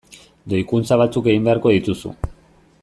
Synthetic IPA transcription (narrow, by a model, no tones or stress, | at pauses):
d̪ojkunt͡saβ̞at͡suke̞ɣimbe̞aɾko̞ðit̪usṵ